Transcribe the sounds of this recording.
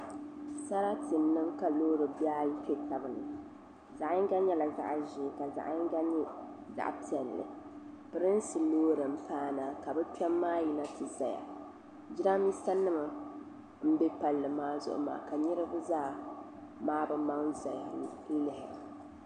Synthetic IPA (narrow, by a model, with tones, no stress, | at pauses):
sa˦ɾa˦tɨ˨mnɨ˦mka˨loː˦ɾɨ˨ba˦jtɛ˦ta˨bɨ˨nɨ̰˨ | za˨ʔŋ˦ɡa˦ɲɛ˦la˨za̰˦ʔʒɪ˨˦˨ka˨za̰˨ʔŋ˦ɡa˦ɲɛ˦ | za̰˨ʔpi˨ɛ˨lːɨ̰˨ | pɨ˨ɾɨ˦n˦sɨ˨loː˦ɾɨ˨m̩˦paː˦na˨ka˨bɨ˦pi˦ɛ˦mːaː˦ji˦na˦tɨ˨za˨ja̰˨ | d͡ʒi˦ɾa˦mi˦sa˦nːɨ˦ma˨ | m̩˦be˦pa˨lːɨ˨maː˦zʊ̰˦ʔʊ̰˦ma̰ː˨ka˨ɲɛ˦ɾɨ˦bɨ˦zaː˦˨ | maː˦bɨ˦ma˦ŋ˦za˨ja˨n̩˦lɪ˨hɪ˨